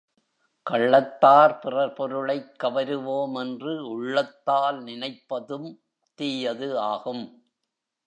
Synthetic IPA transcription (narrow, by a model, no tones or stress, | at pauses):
kɐɭːɐt̪ːaːɾpɪrɐɾpɔɾɯɭɐɪkːɐʋɐɾɯʋoːmɛndrɯʊɭːɐt̪ːaːlnɪnɐɪpːɐðɯm | t̪iːjɐðɯaːɣɯm